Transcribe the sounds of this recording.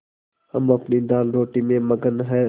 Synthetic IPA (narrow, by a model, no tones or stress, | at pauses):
həmɐpnid̪aːlɾoːʈimẽməɡənɦɛː